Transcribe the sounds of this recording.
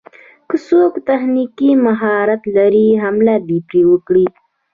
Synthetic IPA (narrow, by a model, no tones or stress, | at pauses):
kəsokt̪axnikimaɦɑɾat̪laɾiɦamlad̪ipɾewəkɽi